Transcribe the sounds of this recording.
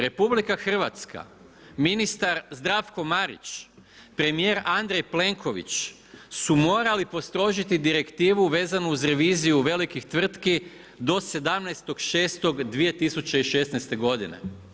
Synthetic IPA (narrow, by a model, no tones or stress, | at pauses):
ɾe̞publikaxr̩ʋat̪ska̰ | minist̪aɾzd̪ɾafko̞maɾḭt͡ʃ | pɾe̞mije̞ːɾand̪ɾejple̞ŋko̞ʋḭt͡ʃ | sumo̞ːɾalipo̞st̪ɾo̞ʒit̪id̪iɾe̞kt̪iːʋuʋe̞ːzanuuzɾe̞ʋiːzijuʋe̞likixt̪ʋr̩t̪ki | d̪o̞se̞d̪amnɛjst̪o̞ɡʃe̞ːst̪o̞ɡd̪ʋije̞t̪isut͡ɕe̞iʃe̞snɛjst̪e̞ɡo̞d̪ine̞̰